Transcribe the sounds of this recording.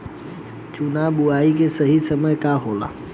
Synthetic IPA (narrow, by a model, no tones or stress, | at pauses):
t͡ʃʊnaɓʊaːik̬esɐɦisəməjkaɦoːla̰ː